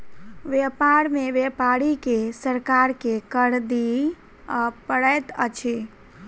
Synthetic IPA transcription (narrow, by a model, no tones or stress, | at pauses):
ʋepaɾmeʋepaɽikesəɾkaɾkekəɽd̪i | pəɽəjt̪ə̰t͡ʃʰi